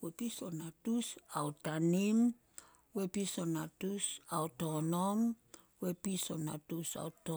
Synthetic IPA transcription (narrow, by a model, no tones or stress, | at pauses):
wepisonatusawtanim | wepiso̞natusawtonom | wepiso̞natusa̰uto